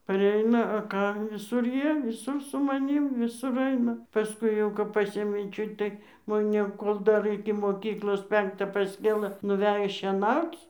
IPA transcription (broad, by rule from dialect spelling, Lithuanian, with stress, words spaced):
pɐˈrʲɛɪnɐ ɐ ˈkɑː ʋʲɪˈsʊr ˈjiɛ ʋʲɪˈsʊr sʊ mɐˈnʲiːm ʋʲɪˈsʊr ˈɐɪnɐ pɐˈskʊɪ jɛʊ kɐp ˈpɑːsʲeːmʲeː ˈt͡ʃʲʊt tɐɪ moːˈnʲɛ ˈkoːlˠ dɐr ɪkʲɪ moːˈkʲiːklˠoːs ˈpʲɛŋktɑː pɐsʲˈkʲeːlˠɘ nʊˈʋʲæːjoː ʃʲiɛˈnɐʊt͡s